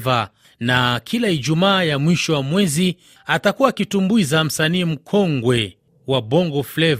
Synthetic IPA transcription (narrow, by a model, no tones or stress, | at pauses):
va | nakʰilaid͡ʒumaːjamwiʃɔwamwɛzi | atakuwakitumbuizam̩saniːm̩kʰɔŋɡwɛ | wabɔŋɡɔflɛv